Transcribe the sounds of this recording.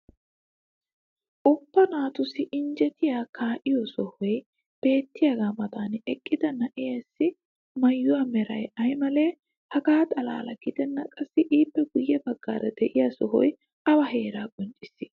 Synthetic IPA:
ʔɔpːɐnaːt̪ʊsɪʔɪnd͡ʒɛt̪ɪjaːkʰaːʔɪjɔsɔhɔj | b̥e̞ːt̪ːɪjaɡaːmɐd̪aːnɛkʼːɪd̪ɐnɐʔɛjɐsːɪ | mɐjːʊwaːmɛɾɐ̰jɐjmɐle̞ː | hɐɡaːt̪ʼɐla̰ːlɐɡ̥ɪd̪ɛnːɐkʼɐsːɪʔiːpːɛɡʊjːɛbɐɡːa̰ːɾɐd̪ɛʔɪjaːsɔɦɔ̰j | ʔɐwɐɦe̞ːɾaːkʼɔnt͡ʃʼɪsːɪ̥

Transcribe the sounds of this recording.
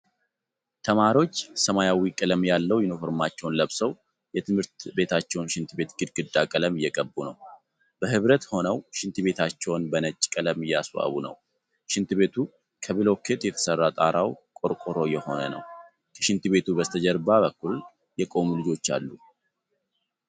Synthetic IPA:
t̪ʰəmaɾio̞t͡ʃːsəmajawikʼɨləmjalːəwjɪnofoɾmat͡ʃːɛwnləβsəw | jɛt̪ʰɨmhɨɾt̪be̞t̪ʰat͡ʃːɛwnʃɪnt̪ʰɨbe̞t̪ɡɨd̪ɡɨd̪ːakʼələmɪjːɛkʼəbːunəw | b̥əhɨβɾət̪ho̞nəwʃɪnt̪ʰɨbe̞t̪ʰat͡ʃːɛwnbənət͡ʃʼːkʼələmɪjːaswa̰βunə̰w | ʃɪnt̪ɨbe̞t̪ʰu | kʰəβɨlo̞kʰe̞t̪jɛt̪ʰə̥sərːat̪ʼaɾawkʼo̞ɾkʼoɾo̞jɛho̞nənə̰w | kʰəʃɪnt̪ɨbe̞t̪ubəst̪ʰəd͡ʒɛɾbaβəkːul | jɛkʼo̞mulɨd͡ʒo̞t͡ʃːa̰lːu

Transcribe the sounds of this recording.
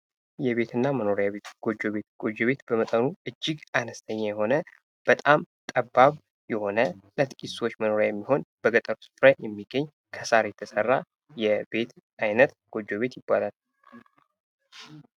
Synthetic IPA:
jɛβe̞t̪ʰɨnːaməno̞ɾjaβe̞t̪ɡ̥o̞d͡ʒo̞βet̪ɡ̥o̞d͡ʒo̞βe̞t̪b̥əmət̪ʼənuʔɨd͡ʒːɪɡanəst̪ʰəɲːajɛho̞nə | b̥ət̪ʼam | t̪ʼəbːaβ | jɛho̞nələt̪kʼiswo̞t͡ʃːməno̞ɾjajɛmːiho̞nb̥əɡət̪ʼəɾusɨ̥fɾajɛmːiɡːəɲː | kʰəsaɾjɛt̪ʰəsərːa | jɛbe̞t̪ | ajnət̪ɡ̥o̞d͡ʒːo̞βe̞t̪jɪbːalal

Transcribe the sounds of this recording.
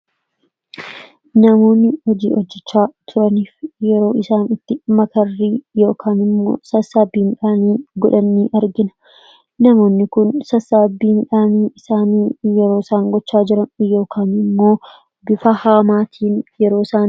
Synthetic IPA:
nɐmo̞ːnːɪhɔd͡ʒiːʔɔd͡ʒːɛt͡ʃːaːt̪ʰʊɾɐniːfjɛɾo̞ːɪsaːnɪt̪ːɪmɐkɐrːiːjo̞ːkʰaːnɪmːo̰ːsɐsaːbiːnᶑaːniːɡɔᶑɐnːiːʔɐɾɡɪnɐ̥ | nɐmo̞ːnːɪkʊnsɐsaːbːiːnᶑaːniːɪsaːniːjɛɾo̞ːsaːŋɡɔt͡ʃːaːd͡ʒɪɾɐnjo̞ːkʰaːnɪmːo̞ː | bɪfɐhaːmaːt̪ʰiːnjɛɾo̞ːsaːn

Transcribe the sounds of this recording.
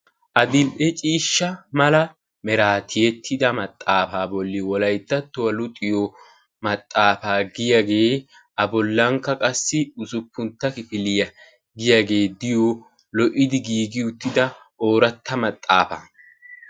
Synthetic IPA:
ʔɐd̪ɪlʔɛt͡ʃʼiːʃːɐmɐlɐ | mɛɾaːt̪ʰɪjɛt̪ʰːɪd̪ɐmɐt̪ʼːaːfaːbɔlːɪwɔlɐjt̪ːɐt̪ːʊwɐlʊt̪ʼːɪjɔ | mɐt̪ʼːaːfaːɡɪjaɡe̞ː | ʔɐbɔlːɐŋkːɐkʼɐsːɪʊsʊpːʊnt̪ːɐkɪfɪlɪjɐ | ɡɪjaɡe̞ːd̪ɪjo | lɔʔɪd̪ɪɡiːɡɪʊt̪ːɪd̪ɐ | ʔoːɾɐt̪ʰːɐmɐt̪ʼːa̰ːfa̰ː

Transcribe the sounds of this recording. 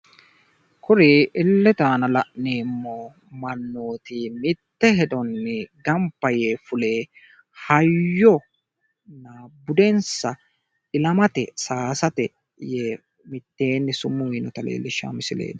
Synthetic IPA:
kʊɾeːʔɪlːɛt̪aːnɐlɐʔneːmːo | mɐnːoːt̪ɪmɪt̪ːɛɦɛd̪ɔnːɛɡɐmpːɐjeːfʊle̞ː | hɐjːɔ | nabʊd̪ɛnsɐ | ɪlɐmɐt̪ɛsaːsɐt̪ɛ | jeː | mɪt̪ːeːnːɪsʊmːʊwiːnɔt̪ɐlḛːlːɪʃːa̰ːmɪsɪlḛːd̪ɐ̥

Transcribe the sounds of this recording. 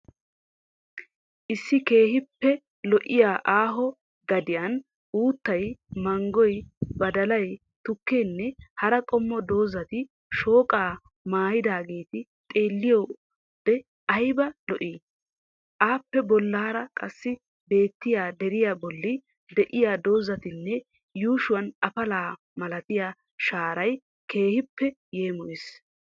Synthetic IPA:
ʔɪsːɪke̞ːhɪpːɛ | lɔʔɪjaːʔaːɦɔ | ɡɐd̪ɪjɐn | uːt̪ːɐjmɐŋɡɔjbɐd̪ɐlɐj | t̪ʊkːeːnːɛhɐɾɐkʼɔmːɔd̪o̞ːzɐt̪ɪ | ʃo̞ːkʼaː | maːjɪd̪aːɡe̞ːt̪ɪ | t̪ʼe̞ːlːɪjɔ | b̥ɛ | ɐjbɐlɔʔi | ʔaːpːɛbɔlːaːɾɐkʼɐsːɪ | be̞ːt̪ːɪjaːd̪ɛɾɪjaːbɔlːɪ | d̪ɛʔɪjaːd̪o̞ːzɐt̪ɪnːɛ | juːʃʊwɐnɐfɐlaː | mɐlɐt̪ɪjaː | ʃaːɾɐj | ke̞ːhɪpːɛ | je̞ːmɔʔɪs

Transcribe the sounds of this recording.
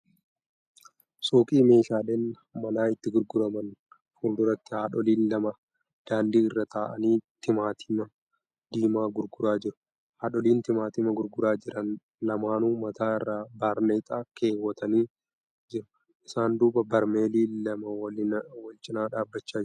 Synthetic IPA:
soːkʼiːme̞ːʃaːleːn | mɐnaːɪt̪ːɪɡʊɾɡʊɾɐmɐn | fuːnd̪ʊɾɐt̪ːɪhaːᶑɔliːnlɐmɐ | d̪̥aːnd̪iːɪrːɐt̪aːʔɐniːt̪ɪmaːt̪ʰɪmɐ | d̪iːmaːɡʊɾɡʊɾaːd͡ʒɪɾʊ̥ | haːᶑɔliːnt̪ɪmaːt̪ɪmɐɡʊɾɡʊɾaːd͡ʒɪɾɐn | lɐmaːnuːmɐt̪aːɪrːaːbaːɾneːt̪ʼaːke̞ːwːɐt̪ɐniː | d͡ʒɪɾʊ̥ | ʔɪsaːnd̪uːbɐbɐɾmeːliːɐmɐwɐlɪnwɐlt͡ʃʼɪnaːᶑaːbːɐt͡ʃːaːd͡ʒ

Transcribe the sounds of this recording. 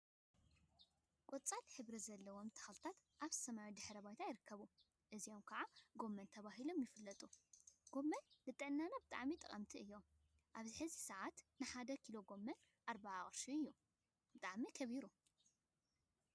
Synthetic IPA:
kʼot͡sʼalħɨβɾɐzɐlːɐwo̞mt̪ʰɐ̥xalt̪ʰat̪ʔaβsɐmawid̪ɨħɾɐbajt̪ʰajɪɾɨkʰːɐβu | ʔɨzijo̞mkʰɐʕaɡo̞mːɐnt̪ʰɐβaɦilo̞mjɪfɨlːɐt̪ʼuɡ̥o̞mːɐnːɨt̪ʼːɨʕnːanabɨt̪ʼa̰ʕmit̪ʼɐ̰kʼɐmt̪ʰiɨjːo̞ | ʔaβzɨħɨzisɐʕat̪nɨħad̪ɐkʰilo̞ɡo̞mːɐn | ʔaɾbaːχʼɾʃuɨjːu | b̥ɨt̪ʼaʕmikʰɐβiɾu

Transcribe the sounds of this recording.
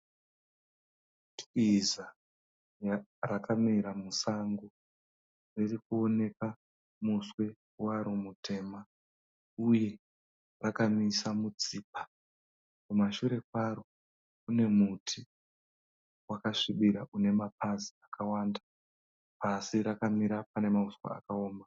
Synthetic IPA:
tiza | jarakamiɾamusaŋɡo | ririkuo̞ne̞ka | muswe̞ | waɾomutʰe̞ːma | uje̞ | rakamisamut͡siːpḁ | kumaʃuɾe̞kwaɾo̞ | une̞mutʰi | wakaʂiɓiɾaʔune̞mapaziakawaːnda | pasiɾakamiɾapane̞mauswa̰a̰kaoːma

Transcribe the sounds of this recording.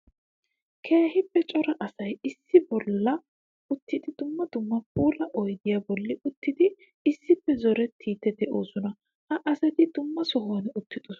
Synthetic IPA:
kʰeːhɪpːɛt͡ʃʼɔɾɐʔɐsɐjɪsːɪbɔlːɐ | ʊt̪ːɪd̪ɪd̪ʊmːɐd̪ʊmːɐpʼuːlɐʔɔjd̪ɪjaːbɔlːɪʔʊt̪ːɪd̪ɪ | ɪsːɪpːɛzɔɾɛt̪ʰːiːt̪ːɛd̪ɛʔoːsɔnɐ | hɐʔɐsɐt̪ɪd̪ʊmːɐsɔɦoːnɛʊt̪ːɪd̪ɔs

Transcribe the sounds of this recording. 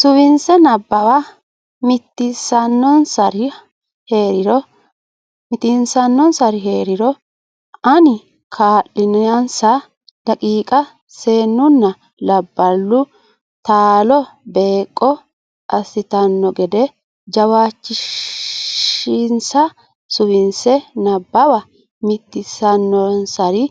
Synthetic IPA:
sʊwɪnsɛnɐbːɐwa | mɪt̪ːɪsɐnːɔnsɐɾɪ | he̞ːɾɪɾɔ | mɪt̪ɪnsɐnːɔnsɐɾɪɦe̞ːɾɪɾɔ | ʔɐnɪ | kʰaːʔɪnɪjɐnsɐ | d̪̥ɐkʼiːkʼɐ | se̞ːnːʊnːɐ | lɐbːɐlːʊ | t̪aːlɔbe̞ːkʼːɔ | ʔɐsɪt̪ɐnːɔɡɛd̪ɛ | d͡ʒɐwaːt͡ʃːɪʃ | ɪnsɐ | sʊwɪnsɛnɐbːɐwɐ | mɪt̪ːɪsɐnːɔnsɐɾɪ

